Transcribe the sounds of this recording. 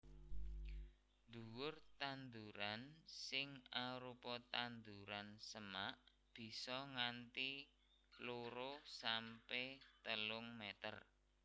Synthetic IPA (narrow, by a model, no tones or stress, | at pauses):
d̪uwʊrt̪and̪uɾansɪŋaɾupɔt̪and̪uɾansəmaʔ | b̥i̤sɔŋant̪i | loɾosampɛt̪əlʊŋmɛt̪ə̰r